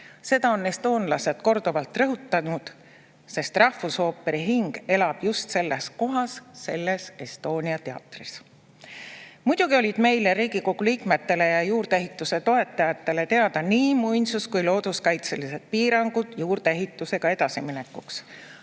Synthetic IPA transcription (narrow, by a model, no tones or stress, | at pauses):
se̞d̪ɑo̞ne̞st̪o̞ːnlɑse̞d̪̥ko̞rd̪̥ovɑlt̪ˑrɤɦut̪ːˑɑnud̪̥ | se̞st̪rɑhfuso̞ːpːe̞ɾiɦiŋɡ̥e̞lɑb̥just̪se̞lːe̞sko̞ɦɑsːe̞lːe̞se̞st̪o̞ːniɑt̪e̞ɑ̰t̪ˑris | mud̪̥uɡ̥io̞lʲid̪̥me̞jleɾiːɡ̥iko̞ɡ̥uliːkme̞t̪ːe̞le̞jɑjuːrd̪eeɦit̪ːˑuse̞t̪o̞e̞t̪ːˑɑjɑt̪ˑːe̞le̞t̪e̞ɑd̪̥ɑniːmujnsuskujlo̞ːd̪̥uskɑjt̪se̞lise̞d̪̥̚piːɾɑŋɡ̥ud̪̥juːrd̪eeɦit̪ːˑuse̞ɡ̥ɑe̞d̪ɑsimine̞kːˑuks